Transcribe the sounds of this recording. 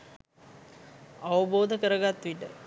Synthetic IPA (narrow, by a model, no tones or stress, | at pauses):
aʋəboːd̪ʱəkəɾəɡat̪ːʋiʈə